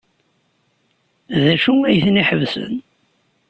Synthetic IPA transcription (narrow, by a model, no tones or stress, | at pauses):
ðæʃuæjθniħəvsə̰n